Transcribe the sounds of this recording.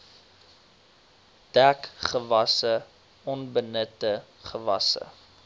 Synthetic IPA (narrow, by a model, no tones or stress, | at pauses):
d̥ækχəvɐsə | ɔnbənətə | χəvɐ̰sə̰